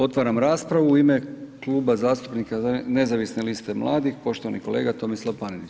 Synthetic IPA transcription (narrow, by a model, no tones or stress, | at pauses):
o̞t̪ʋaɾamɾaːspɾaʋuːime̞kluːbazaːst̪u̥pnikane̞zaʋisne̞list̪e̞mlˠa̰ːd̪ixpo̞ʃt̪o̞ʋaniko̞le̞̰ːɡat̪o̞mislˠaʋpaninit͡ʃ